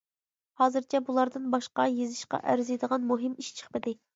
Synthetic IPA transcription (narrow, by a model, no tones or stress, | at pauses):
hɑːzɨɾt͡ʃʰɛbulˠɑɾd̪ɨnbɑʃqɑjezɪʃqɑ̰ʔæɾzɨjd̪əʁɑnmuɦɨmiʃt͡ʃʰə̥χpɪd̪ɪ